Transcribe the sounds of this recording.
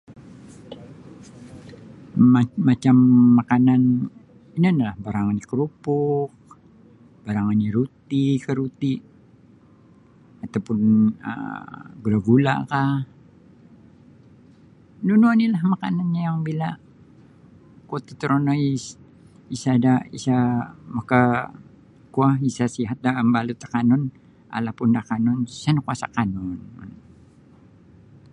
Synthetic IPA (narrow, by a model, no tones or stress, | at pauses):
amat͡ʃamːakanan | inianilahbaɾaŋanikəɾupʊk̚ | b̥aɾaŋaniɾut̪ikəɾut̪iʔ | at̪awpʊnə̰ɡulaɡula̰ka | nunanilahmakananɲajaŋbila | kot̪ḁt̪əɾonois | isadaḭsamaka | kuahisasiɦat̪̚dambalut̪ḁkanɔn | a̰lahpʊndakanɔnsanakuasa̰kanɔnn